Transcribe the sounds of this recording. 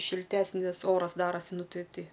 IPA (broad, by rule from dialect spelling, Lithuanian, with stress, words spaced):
ʃʲɪlʲˈtʲæːsʲnʲɪs ˈoːrɐs ˈdɑːrɐsʲɪ ˈnʊ ˈtʲɪ ˈtʲɪ